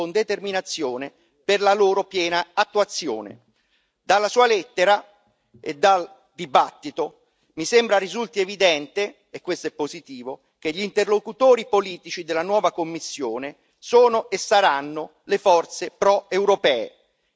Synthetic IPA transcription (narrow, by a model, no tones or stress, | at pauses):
ond̪et̪erminat̪sːjoːne | perlaloːɾopjɛːnaat̪ːuat̪sːjo̰ːnḛ | d̪alːasuːalɛt̪ːeɾa | ḛd̪ːal | d̪ibat̪ːit̪o | misembɾarizult̪ievid̪ɛnt̪e | ekːwest̪oɛpːozit̪iːvo | k̟eʎːiːnt̪erlokut̪oːɾipoliːt̪it͡ʃid̪elːanwɔːvakomːisːjoːne | soːnoʔesːaɾanːo | lefɔrt̪sepɾɔewɾopɛːḛ